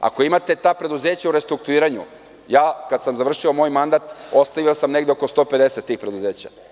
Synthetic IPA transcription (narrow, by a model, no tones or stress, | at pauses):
a̰ko̞imat̪e̞t̪aːpɾe̞d̪uzeːt͡ɕauɾe̞st̪ɾuk̚t̪uiːɾaɲṵ | jaːkad̪samzaʋr̩ʃiomo̞ːjmand̪at̪o̞st̪aʋiosamne̞ɡd̪eoko̞st̪o̞pe̞d̪e̞set̪ːiːxpɾed̪uze̞ːt͡ɕa̰